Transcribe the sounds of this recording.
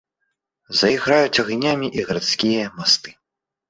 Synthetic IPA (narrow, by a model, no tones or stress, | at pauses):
zɐiɣɾajut͡sʲɐɣnʲamʲiʔiɣɾat̪skʲijɐmast̪ɨ̥